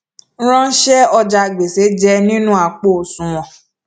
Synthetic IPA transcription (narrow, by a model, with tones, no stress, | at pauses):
ɾ̃ã˦n̩˦ʃɛ˦ɔ˧d͡ʒa˧˨ɡ͡be˨se˨˦d͡ʒɛ˦nĩ˦nũ˦a˧k͡po˦˨sũ˨w̃ɔ̃˨